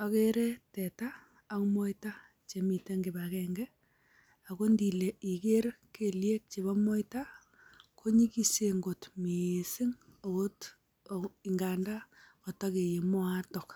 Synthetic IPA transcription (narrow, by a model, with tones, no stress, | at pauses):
a˨ke˦ɾɛ˦tɛ˨ta˦ | a˦kmɔ˦jta˦ | t͡ʃe˨mi˨te˦ŋɡɪ˨ba˨kɛ˨ŋɡɛ˦ | a˨ko˦ndi˨le˨i˨ke˦rke˨lje˦k̚t͡ʃe˨βa˦mɔ˦jta˦ | kʰo˦ɲi˦ki˦se˨ŋɡo˨tmeː˨sɪ˦ŋo˨o˦t | i˨ŋɡa˨nda˦ɔ˨ta˦ke˨je˨mɔ˦a˦tɔ˨k